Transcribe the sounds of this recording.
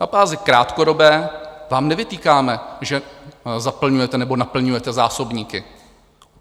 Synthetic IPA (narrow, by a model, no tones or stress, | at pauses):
nabaːzɪkɾaːt̪kodo̞bɛːvaːmnɛvɪt̪iːkaːmɛʒɛzapl̩ɲujɛt̪ɛnɛbo̞napl̩ɲujɛt̪ɛzaːso̞bɲiːkɪ